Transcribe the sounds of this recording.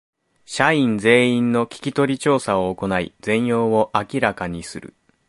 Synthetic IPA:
ɕaĩnd͡ze̞ːĩnnːo̞kʲi̥kʲit̪o̞ɾʲit͡ɕo̞ːsaoːko̞naḭd͡zẽ̞ɰ̃jo̞ːβo̞ʔakʲiɾakaɲ̟isɨɾɯ̰

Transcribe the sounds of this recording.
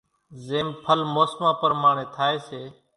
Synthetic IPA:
zeːmpʰəlmoːsmãːpəɾmaːɳẽːt̪ʰaːeːseː

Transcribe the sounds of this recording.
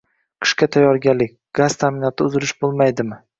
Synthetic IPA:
qʰɨ̥ʃkʲat̪ʰajːɒɾɡʲalːɪkʲɡ̥az̥t̪ʰamɪnɒt̪ʰɪʊzɪlɪʃbolˠmajd̪ɪmɪ

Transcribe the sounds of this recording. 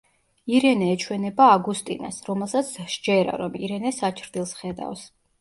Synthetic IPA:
iɾɛnɛːt͡ʃʰwɛnɛbaːɡust̪ʼḭna̰sɾɔmɛlˠsat̪sʰʃd͡ʒɛɾa̰ɾɔmḭɾɛnɛsat͡ʃʰɾd̪ilˠsχɛd̪a̰fs

